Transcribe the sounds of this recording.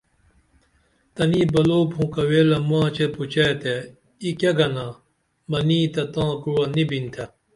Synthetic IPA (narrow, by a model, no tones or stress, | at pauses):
t̪ɐnibɐloːpʰũːkɐweːlɐmwãːt͡ɕeput͡ɕeːt̪e | ikeɡɐna | mɐniːt̪ɐt̪ãːkuwɐnibint̪ʰɐ